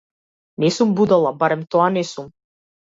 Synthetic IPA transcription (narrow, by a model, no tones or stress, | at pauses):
nɛsumbud̪alˠabaɾɛmt̪ɔanɛsum